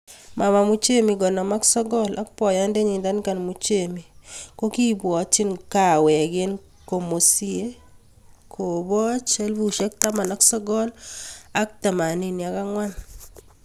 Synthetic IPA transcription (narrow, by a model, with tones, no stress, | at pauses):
ma˨ma˨mu˦t͡ʃe˦mi˨ɡɔ˨nɔ˨ma˦ksɔ˦ɡɔ˦la̰˦k̚pɔ˨ja˦nde˦ɲɪ˨nd̪a˦nka˨nmu˦t͡ʃe˦mi˨ko˦ki˦bwɔ˨˦t͡ʃɪ˦nka˦˨wɛ˨ɡɪ˦n | ko˨mo˨si˦e˦ | kʰo˨bɔ˦t͡ʃɛ˦lbu˦ʃɛ˦k̚ta˦ma˨na˨˦ksɔ˦ɡɔ˦la˦k̚ta˨ma˨ni˦ni˨a˨ka˦ŋwa˦n